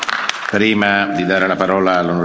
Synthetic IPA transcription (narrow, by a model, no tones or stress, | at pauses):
pɾiːmad̪id̪aːɾelapaɾɔːlaːlːonoɾ